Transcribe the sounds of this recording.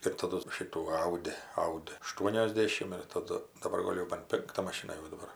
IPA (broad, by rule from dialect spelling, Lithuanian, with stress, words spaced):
ɪr tɐˈdʊ ˈʃʲɪtuː ˈɐʊdʲɪ ˈɐʊdʲɪ ɐˈʃtuɔnʲoːzʲˌdʲeːʃʲɪm ɪr tɐˈdʊ dɐˈbɐr ˈɡoːlʲ jɛʊ bɐn ˈpʲɪŋktɐ mɐˈʃʲɪnɐ jɛʊ dɐˈbɐr